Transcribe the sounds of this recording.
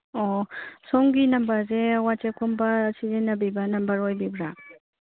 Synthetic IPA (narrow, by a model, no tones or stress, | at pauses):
ɔsɔŋɡinɐmbɐɾzewat͡ʃekʰɔmbɐsizenːɐbibɐnɐmbɐɾojbibɾa